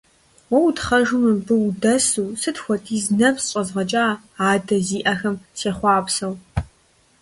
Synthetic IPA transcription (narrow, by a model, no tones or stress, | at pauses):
wɔwtχɐʒʊmɨmbɨdɐsuːsɨtxʷɔtʼʰiːznɐpsɕʼɐzʁɐt͡ʃʼaː | aːdɐziːʔɐxɐmseːχʷɑːpsɐw